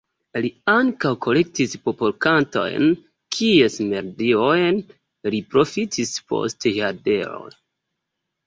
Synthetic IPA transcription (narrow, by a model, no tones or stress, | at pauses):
liaŋkawko̞le̞k̚tispopolkanto̞̰jn | kʰie̞sme̞ɾdiojn | lipɾo̞fitʰispʰo̞̰stehade̞ɾo̞̰